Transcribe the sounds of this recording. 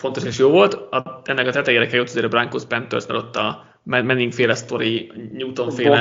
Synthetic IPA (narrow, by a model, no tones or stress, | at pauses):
fo̞nt̪o̞ʃeːʃjoːvo̞lt̪ɒɛnːɛkɒt̪ɛt̪ɛjeːɾɛkɛjot̪ːɒzeːɾɛbraŋkospɛnt̪ørsna̰lot̪ːɒ | mmɛniŋkfeːlɛst̪o̞ɾiɲuːt̪o̞ɱfeː